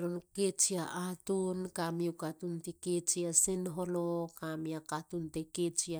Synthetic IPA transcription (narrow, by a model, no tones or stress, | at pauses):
ɾonket͡ʃiaʔatunkamiukatuntiket͡ʃiasenɦolokamiakatunteket͡ʃia